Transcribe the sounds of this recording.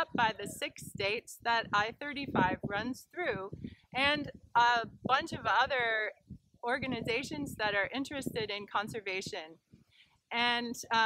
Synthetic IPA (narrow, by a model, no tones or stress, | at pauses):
p̚b̥aɪðɨsɪksteɪtsðəɾaɪθɜ˞ɾifaɪvɹʌ̃nz̥θɹʉʔɨ̃nəb̥ʌ̃nt͡ʃʌvʌðə˞ | ɔɹɡɨnɨzeɪʃɨ̃nzðɨɾə˞ʔɪ̃nt͡ʃɹ̥ɨstɨɾɨ̃nkʰɑ̃nsə˞veɪʃɨ̃n | ɨ̃n